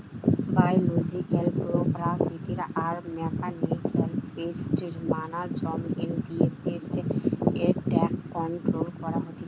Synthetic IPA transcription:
bajluzikɛlpɹɔpɹakʰitiɾaʔaɹmɛkanikʰɛlpestiɹmanazɔmindijɛpestɛetɛkːɔntɹolkɔɹaɦoti

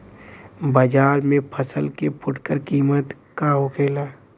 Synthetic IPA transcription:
bəd͡ʒaːɾmẽpʰəsəlkepʰʊʈkəɾkiːmət̪ | kaɦʊkʰeːlaː

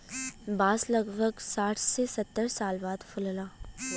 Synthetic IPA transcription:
baːslɐɡbʱəɡsaːʈʰsesɐt̪ːəɾsaːlbaːd̪fʊllaː

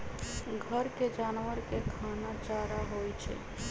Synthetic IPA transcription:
ɡʱəɾked͡ʒanʋəɾkekʰanat͡ʃaɾaɦojt͡ʃʰḛ

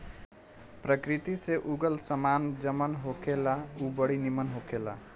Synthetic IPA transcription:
pɾəkɾit̪iseʔuɡəlsəmand͡ʒəmənɦokʰelaubəɽinimənɦokʰela̰

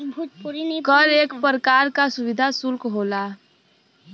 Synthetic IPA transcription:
kəɾeːkpəɾəkaːɾkasʊʋɪd̪ʱasʊlkɦoːlaː

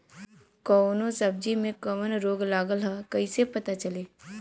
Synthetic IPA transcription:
kɔːnõsɐb̚d͡ʒimẽkɐmənɾoːɡlaːɡəlɦakɐisepɐt̪at͡ʃɐleː

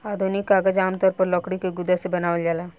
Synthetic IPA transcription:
aːd̪ʱunɪkːaːɡəd͡ʒaːmt̪ɔːɾpɐɾlɔːkɽikeɡʊd̪asebɐnaːʋəld͡ʒaːlaː

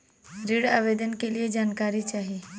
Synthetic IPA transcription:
ɾiɽaʋed̪ənkelied͡ʑankaɾit͡ʃaɦi

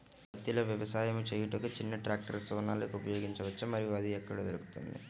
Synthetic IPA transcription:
bɐt̪ːiloːʋjɐʋɐsaːjɐmut͡ʃeːjuʈukut͡ʃinːɐʈɾaːk̚ʈɐɾsuʋɐnaːlɐkupɐjoːɡiɲt͡ʃɐʋɐt͡ʃːɐmɐɾijuɐd̪iɛkːɐɽɐd͡ʒɐɾuku̥t̪ṵnd̪ḭ

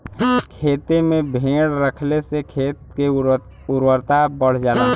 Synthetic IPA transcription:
kʰeːt̪emẽbʱẽːɽɾəkʰlesekʰeːt̪̚ke | ʊɾwəɾt̪abəɽ̤d͡ʒaːnaː

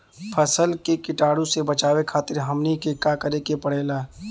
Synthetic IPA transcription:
pʰəsəlkekɪʈaːɽũsebət͡ʃaːwekʰaːt̪ɪɾɦəmnikekakəɾekepəɽ̤eːlaː

